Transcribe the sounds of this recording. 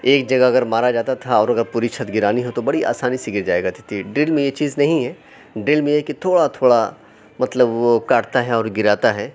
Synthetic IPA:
eːkd͡ʒɐɡaɐɡəɾmaːɾad͡ʒaːt̪at̪ʰaɔːɾɐɡəɾpʊɾiʃʰət̪ɡɪɾaːniɦot̪obɐɽiʔa̰ːsaːnisiɡɪɾd͡ʒaːeːɡat̪ʰi̥t̪ʰiɖɾɪlmẽjet͡ʃiːznɐɦĩɦɛː | ɖɪlmẽjeɦkit̪ʰoːɽat̪ʰoːɽa | mɐt̪ləbʋokaːʈt̪aɦɛɔːɾɡɪɾaːt̪aɦɛː

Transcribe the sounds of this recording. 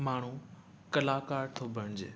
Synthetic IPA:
maːɳ̤ũ | kɐlaːkaːɾt̪ʰobʱəñd͡ʑḛː

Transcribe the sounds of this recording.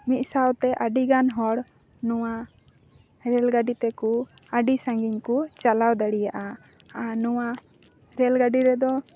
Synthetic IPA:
mit̪̚sawt̪ɛʔaɖiɡanɦɔɽ | nɔwa | ɾɛlɡaɖit̪ɛku | aɖisãŋɡiɲkut͡ʃalawd̪aɽijaʔa | anɔwa | ɾɛlɡaɖiɾɛd̪ɔ

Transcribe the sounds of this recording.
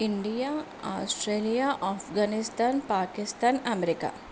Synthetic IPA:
ɪɳɖija | a̰ːsʈɾeːlijaʔafɡaːnɪst̪aːnpaːkɪst̪aːnɐmeɾɪka̰

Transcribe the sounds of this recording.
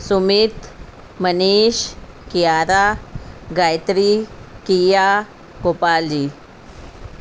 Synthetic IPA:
sumit̪ | məniɕ | kijaɾaɡajt̪ɾikija | kopald͡ʑiː

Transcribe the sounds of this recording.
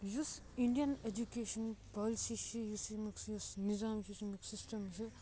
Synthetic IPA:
jus | iɳɖijɐned͡ʒukeːʃɐnpaːlisit͡ʃʰijusimiksjusnizaːmt͡ʃʰijusimiksisʈɐmt͡ʃʰi

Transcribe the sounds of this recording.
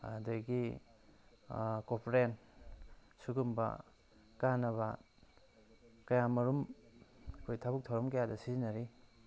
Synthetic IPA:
a̰dɐɡi | kopʰɾen | suɡumbɐ̰ | kanɐβɐ | kɐjamɐɾum | kʰojtʰabuk̚tʰawɾɐmkɐjadɐsizinɐɾi

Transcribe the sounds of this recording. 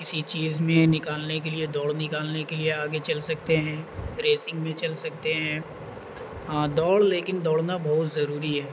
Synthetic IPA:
kɪsit͡ʃiːzmẽnɪkaːlnekelied̪ɔːɽnɪkaːlnekelieaːɡet͡ʃɐlsɐk̚t̪eɦɛ̃ɾeːsɪ̃ŋɡmẽt͡ʃɐlsɐk̚t̪eɦɛ̃ː | aːd̪ɔːɽleːkɪnd̪ɔːɽnabɔːt̪zɐɾuːɾiɦɛː

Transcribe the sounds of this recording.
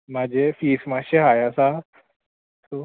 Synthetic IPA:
mad͡ʑʱefiːsmaɕeɦajasa | so

